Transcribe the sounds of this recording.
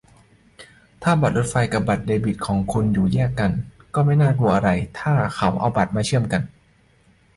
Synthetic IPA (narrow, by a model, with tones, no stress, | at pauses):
t̪ʰaː˥˩ba˨˩t̪̚ɾo˦˥t̪̚fa˧jka˨˩p̚ba˨˩t̪̚deː˧bi˨˩t̪̚kʰɔː˩˦ŋkʰu˧njuː˨˩jɛː˥˩ka˧nkɔː˥˩ma˥˩jnaː˥˩ku˧əʔa˧ɾa˧jt̪ʰaː˥˩ka˩˦wʔa̰˧wba˨˩t̪̚maː˧t͡ɕʰɯ˥˩əmka˧n